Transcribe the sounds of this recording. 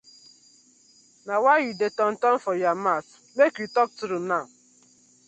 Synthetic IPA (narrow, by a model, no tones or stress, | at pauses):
nawajidetɔn̩tɔn̩fɔjamas | mekjutɔk̚tuɾuna